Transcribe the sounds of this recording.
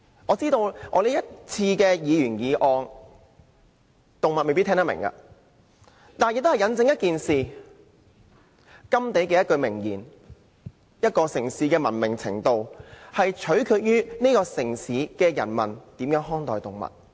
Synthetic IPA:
ʔɔː˨˧t͡siː˥t̪o˧wʔɔ̰ː˨˧le˨˥jɐ˥t̚t͡sʰiː˧kɛː˧jiː˨˧jyː˨˩njiː˨˧ʔɔː˧ŋ | t̪ʊ˨ŋmɐ˨t̚me˨pi˥t̪ʰɛ˥ŋt̪ɐ˥mɪ̰˨˩ŋkɐ̰˧ | t̪aː˨˩njɪ˨k̚t̪hjɐ˨˥nt͡sɪ˧ŋjɐ˥t̚kiː˨nsiː˨ | kɐ˥mt̪e˨˥jke˨˧jɐ˥t̚kɵ˧ɥmɪ˨˩ŋjḭː˨˩n | jɐ˥t̚kɔː˧sɪ˨˩ŋsiː˨˥kɛː˧mɐ˨˩nmɪ˨˩ŋt͡sʰɪ̰˨˩ŋt̪o˨whɐ˨jt͡ʃʰɵ˨˥ɥkʰyː˧˥t̚jyː˥ne˥jkɔː˧sɪ˨˩ŋsiː˨˥˦kɛː˧jɐ˨˩nmɐ̰˨˩nt̪iː˨˥mjœː˨˥ŋɦɔː˥ŋt̪ɔː˨jt̪ʊ˨˩ŋmɐ̰˨t̚

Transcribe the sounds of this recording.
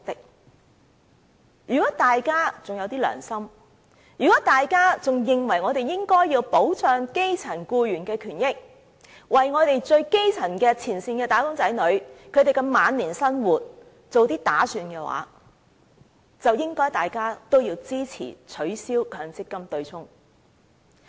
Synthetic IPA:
t̪ɪ˨k̚ | jyː˨˩kɔː˨˥t̪aː˨jkaː˥t͡sʊ˨ŋjɐ˨˧wt̪iː˥lœ̰ː˨˩ŋsɐ˥m | jyː˨˩kɔː˨˥t̪aː˨jkaː˥t͡sʊ˨ŋjɪ˨ŋwɐ˨˩jŋɔː˨˧t̪e˨jjɪ˥ŋkɔː˥jːiː˧wpo˨˥wt͡sœː˧ŋke˥jt͡sʰɐ˨˩nkuː˧jyː˨˩nkɛː˧kʰyː˨˩njɪ˥k̚ | wɐ˨jŋɔː˨˧t̪e˨jt͡sɵ˧ɥke˥jt͡sʰɐ˨˩nkɛː˧t͡sʰiː˨˩nsiː˧nkɛː˧t̪aː˨˥kʊ˥ŋt͡sɐ˨˥jnɵ˨˧ɥkʰɵ˨˧t̪e˨jkɛ˧maː˨˧nliː˨˩nsɐ˥nwuː˨˩t̚ | t͡so˨wt̪iː˥t̪aː˨˥syː˨˧nkɛː˧wa̰ː˨˥ | t͡sɐ˨wjɪ˥ŋkɔː˥jt̪aː˨jkaː˥t̪o˥wjiː˧wt͡siː˥t͡sʰḭː˨˩t͡sʰɵ˨˥ɥsiː˥wkʰœː˨˧ŋt͡sɪ˥kːɐ˥mt̪ɵ˧ɥt͡sʰʊ˥ŋ

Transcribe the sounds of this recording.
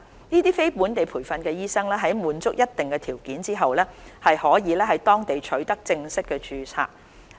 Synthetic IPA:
niː˥t̪iː˥fe˥jpuː˨˥nt̪e˨jpʰuː˨˩jfɐ˧nkɛː˧jiː˥sɐ˥ŋlɛː˥ɦɐ˨˥jmuː˨˧nt͡sʊ˥k̚jɐ˥t̚t̪ɪ˨ŋkɛː˧t̪ʰiː˨˩wkiː˨˥nt͡siː˥ɦɐ˨wlɛː˥hɐ˨jhɔː˨˥jiː˨˧lɛː˥ɦɐ˨jt̪ɔː˥ŋt̪e˨jt͡ʃʰɵ˨˥ɥt̪ɐ˥k̚t͡sɪ˧ŋsɪ˥kːɛː˧t͡ʃyː˨˧t͡sʰa̰ː˧˥k̚

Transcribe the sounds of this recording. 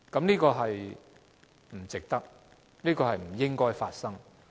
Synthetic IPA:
kɐ˨˥mniː˥kɔː˧ɦɐ˨j | m̩˨˩t͡sɪ˨k̚t̪ɐ˥k̚ | niː˥kɔː˧ɦɐ˨jm̩˨˩jɪ˥ŋkɔː˥jfaː˧t̚sɐ˥ŋ

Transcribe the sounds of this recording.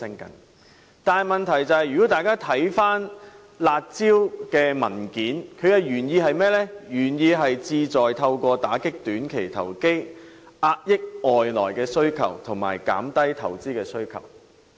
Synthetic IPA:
ɪ˥ŋkɐ˨n | t̪aː˨nɦjmɐ˨nt̪ʰɐ˨˩jt͡sɐ˨˧hɐ˨jɥyː˨kɔ˨˥t̪aː˨jkaː˥t̪ʰɐ˨˥jfaː˥n | laː˧t̚t͡siː˥wkɛː˧mɐ˨˩nkiː˨˥nkʰɵ˨˧jɐ˨wjyː˨˩njiː˧ɦɐ˨jmɛː˥lɛː˥jyː˨˩njiː˧ɦɐ˨jt͡siː˧t͡sɔː˨jt̪ʰɐ˧wkʷɔː˧t̪aː˨˥kɪ˥k̚t̪yː˨˥nkʰe˨˩jt̪ʰɐ̰˨˩wke˥j | ʔaː˧t̚jɪ˥k̚ɔː˨jlɔː˨˩jkɛː˧sɵ˥ɥkʰɐ̰˨˩wt̪ʰʊ˨˩ŋma̰ː˨˩jka̰ː˨˥mt̪ɐ˥jt̪ʰɐ˨˩wt͡siː˥kɛː˧sɵ˥ɥkʰɐ̰˨˩w

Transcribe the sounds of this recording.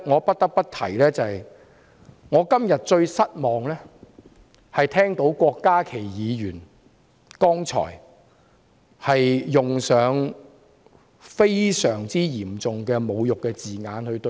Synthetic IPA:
ŋɔː˨˧pɐ˥t̚t̪ɐ˥k̚pɐ˥t̚t̪ʰɐ˨˩jlɛː˥t͡sɐ˨ɐ˨j | ŋɔː˨˧kɐ˥mjɐ˨t̚t͡ʃɵ˧ɥsɐ˥t̚mɔː˨ŋlɛː˥ | hɐ˨jt̪ʰɛː˥ŋt̪o˨˥wkʷɔː˧kːaː˥kʰe˨˩jjiː˨˧jyː˨˩n | kɔː˥ŋt͡ʃʰɔ̰ː˨˩j | hɐ˨jːʊ˨ŋsœː˨˧ŋ | fe˥jsœː˨˩ŋt͡siː˥jiː˨˩mt͡sʊ˨ŋkɛː˧mo˨˧wjʊ˨kːɛː˧t͡siː˨ŋaː˨˧nhɵ˧ɥt̪

